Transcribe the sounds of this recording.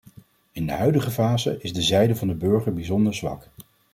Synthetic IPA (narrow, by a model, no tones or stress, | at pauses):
ɪndə̰ɦœɥdəχəvaːzə̰ʔɪzdəzɛjdəvɑndəbɵɹχəɹbizɔndəɹzʋɑ̰k